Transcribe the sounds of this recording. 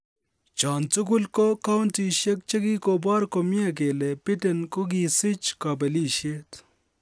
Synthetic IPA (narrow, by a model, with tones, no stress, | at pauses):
t͡ʃaː˨nt͡su˦ɡu˦lko˦ka˦wnti˨ʃe˦k̚t͡ʃe˦ɡi˦ko˨baː˦ɾko˨mi˦a˦k̬e˨le˨pɪ˦te˨nko˦ɡi˨sɪ˦t͡ʃka˨bɐ˨li˦ʃe˦t̪